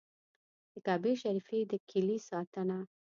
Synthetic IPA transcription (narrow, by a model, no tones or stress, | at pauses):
d̪̥əkɑbeʃaɾifed̪əkʰɪlisɑt̪ana